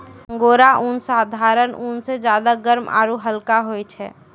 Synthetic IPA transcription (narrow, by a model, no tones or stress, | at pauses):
ɡoɾaʔunsad̪ʱaɾənunsed͡ʒad̪aɡəɾmʔa̰ɾuɦəlkaɦojt͡ʃʰɛ̰